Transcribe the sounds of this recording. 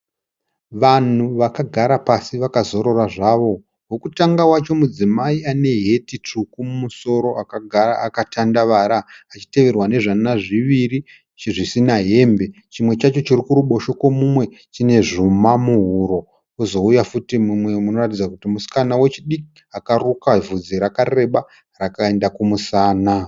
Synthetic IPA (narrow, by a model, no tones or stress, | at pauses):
ʋan̤uʋakaɡʱaɾapasiʋakazo̞ɾo̞raʐaʋo̞ | wokutaŋɡawat͡ʃo̞mud͡zimaiane̞ɦe̞tit͡ʂukumumuso̞ɾo̞akaɡʱaɾaːkatandaʋaɾaːt͡ʃi̥te̞ʋe̞rwane̞ʐanaʐiʋiri | t͡ʃiʐisinaɦe̞mbe̞ | t͡ʃimwe̞t͡ʃat͡ʃo̞t͡ʃirikuɾuɓo̞ʃo̞kwomumwe̞ | t͡ʃine̞ʐumamuɦuɾo̞ | uzo̞ujafutimumwe̞muno̞ratid͡zakutimusi̥kanawe̞t͡ʃiɗiki | akarukavud͡ziɾakare̞ɓa | rakae̞ndakumusaːna